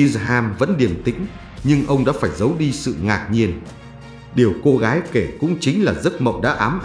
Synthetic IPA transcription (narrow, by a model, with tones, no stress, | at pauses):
i˧ɦaː˧mvə̰˧˥nɗi˨˩əmt̪ḭ˧˥ŋ̟ | ɲɨ˧ŋʔə˧wŋ͡mɗa̰ː˧˥faː˧˩jzə˨˦wɗi˧sɨ̰˧˨ŋaː˨˩k̚ɲi˧ən | ɗi˨˩əwko˧ɣaː˨˦jke˧˩kʊ̰˧˥ŋ͡mt͡ɕï˨˦ŋ̟laː˨˩zə˦˥t̚mə̰˧˨wɗa̰ː˧˥ʔaː˨˦mʔ